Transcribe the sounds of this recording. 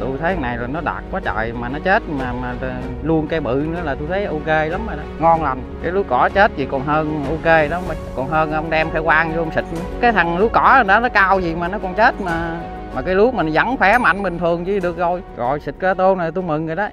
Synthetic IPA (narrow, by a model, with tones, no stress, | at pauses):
t̪u˧jt̪ʰə˨˦jna˨˩jlaː˨˩nɔ˨˦ɗa̰ː˨˩t̚kwaː˨˦t͡ɕə̰ː˨jmaː˨˩nɔ˨˦t͡ɕe˦˥t̚maː˨˩maː˨˩˨ | lu˧ənka˧˦ɓɨ̰˧˨nɨ̰˧˥əlaː˨˩t̪u˧jt̪ʰə˨˦jʔo˧ke˧la˨˦mːa˨˩ɗɔ˨˦ŋɔ˧nla˨˩jŋkaː˨˦jlu˨˦kɔ˧˨˦t͡ɕe˦˥t̚zi˨˩kɔ˨˩nɦəː˧nʔo˧ke˧lɔ˨˦m˨˩kɔ˨˩nɦəː˧n˧ə˧wŋ͡mɗɛ˧mfʰɛ˧˦kwaː˧ŋzə˧wŋ͡msi˨˩t̚kaː˨˦jt̪ʰa˨˩ŋlu˨˦kɔ˧˩˦a˨˩nɗɔ˨˦nɔ˨˦kaː˧wzi˨˩maː˨˩nɔ˨˦kɔ˨˩nt͡ɕe˦˥t̚maː˨˩ | maː˨˩kaː˨˦jlu˨˦ma˨˩n˨za˨˦ŋfɛ˨˦ma̰˧˨jŋɓï˨˩ŋ̟t̪ʰɨ˨˩əŋt͡ɕi˧˦ɗɨ˨˩ək̚zo˧˩jɣɔ̰˧˨jsï˨˩t̚kaː˧t̪o˧na˨˩t̪u˧jmɨ˨˩ŋɨ˨˩ɗɔ˨˦